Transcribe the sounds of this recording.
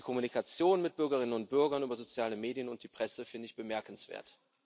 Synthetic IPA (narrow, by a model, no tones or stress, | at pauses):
kʰɔmunikat͡sjoːnmɪt̚b̥ʏɐɡɐʁɪnənʊntb̥ʏɐɡɐnyːbɐzot͡sjaːləmeːdijənʊnt̚d̥iːpʁ̥ɛsəfɪndəɪçb̥əmɛɐkn̩sv̥ḛːɐt